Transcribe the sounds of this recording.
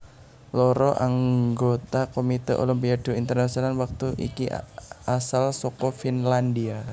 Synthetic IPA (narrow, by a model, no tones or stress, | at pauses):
lɔɾɔʔaŋɡot̪akomit̪ɛʔo̰limpiad̥oint̪ərnasionalwak̚t̪uʔḭkiasalsɔkɔfinlandia